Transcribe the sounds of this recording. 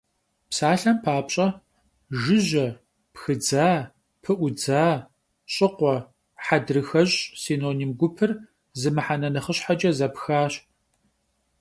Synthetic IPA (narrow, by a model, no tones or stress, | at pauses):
psaːɬɐmpʰaːpɕʼɐ | ʒɨʑɐ | pxɨd͡zaː | pʰɨʔʷʊd͡zaː | ɕʼɪqʷɔ | ħadrɨxɐʑʼsiːnoːniːmɡʷʊpʰɨr | zɨmɨħanɐnɐχəɕħad͡ʒʼɐzɐpxaːɕ